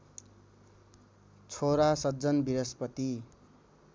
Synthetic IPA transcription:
t͡sʰoɾasʌd͡zʌnbiɾʌspʌt̪i

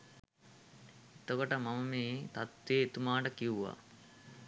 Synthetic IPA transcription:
et̪okoʈəmamɐmeːt̪at̪ʋeːet̪umaːʈəkiwuʋa̰

